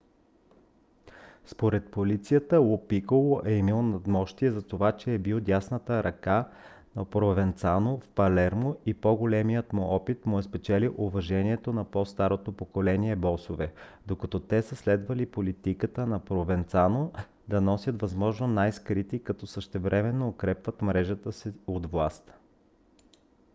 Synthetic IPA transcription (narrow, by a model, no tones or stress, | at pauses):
spoɾɛt̪̚polit̪sijət̪əlˠopikolˠoʔɛimilˠnɐd̪mɔʃt̪iɛzɐt̪ovat͡ʃɛːbilˠd̪ʲjasnət̪əɾʔɐka | nɐpɾovɛnt̪sanofpɐlɛɾmoipɔɡolɛmijət̪mʊʔɔpit̪mʊɛspɛt͡ʃɛliʔʊvɐʒɛniɛt̪onɐpɔst̪aɾot̪opokolɛniɛbɔsovɛd̪okɐt̪ɔt̪ɛsəslɛd̪vɐlipolit̪ikət̪ənɐpɾovɛnt̪sano | d̪ɐnɔsʲjət̪vɐzmɔʒnonajskɾit̪ikɐt̪ɔsəʃt̪ɛvɾʔɛmɛnːoːkɾɛpvɐt̪mɾɛʒət̪əsiot̪vlˠast̪